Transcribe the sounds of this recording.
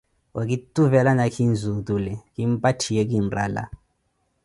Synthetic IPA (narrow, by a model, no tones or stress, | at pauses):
wak̬ʼitʼuvɛlanakʰinzutʼulɛkʼimpʼatʰijɛk̬ʼinra̰la̰